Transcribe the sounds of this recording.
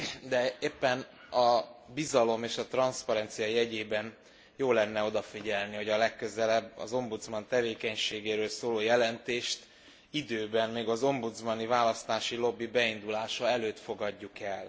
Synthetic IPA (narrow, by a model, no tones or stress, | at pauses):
d̪ɛeːpːɛn | ɒbizɒlo̞meːʃɒt̪rɒnspɒɾɛnt̪sijɒjɛɟeːbɛn | joːlɛnːɛo̞d̪ɒfiɟɛlniɦo̞ɟɒlɛkːø̞zɛlɛbːɒ̰zo̞mbut̪zmɒnt̪ɛveːkɛɲʃeːɡeːɾøːlsoːloːjɛlɛnt̪eːʃt̪ | id̪øːbɛnmeːɡɒzo̞mbut̪zmɒnivaːlɒst̪aːʃilo̞bːibɛind̪ulaːʃɒɛløːt̪fo̞ɡɒɟːukɛl